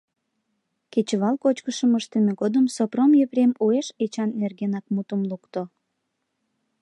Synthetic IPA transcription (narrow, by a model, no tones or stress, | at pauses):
ket͡ɕəβɑlkot͡ɕkəʃəməʃt̪emeɣod̪əmsopromjepɾemueʃet͡ɕɑnːerɣenɑk̚mut̪əmlukt̪o